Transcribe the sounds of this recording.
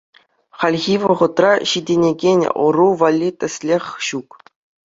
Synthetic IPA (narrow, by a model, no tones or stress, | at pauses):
χɑlʲɣʲiʋɤ̆ʁɤ̆t̪rɑɕidʲenʲeɡʲenʲɤ̰̆ruʋalʲːit̪ʲɘ̆sʲlʲexʲɕuk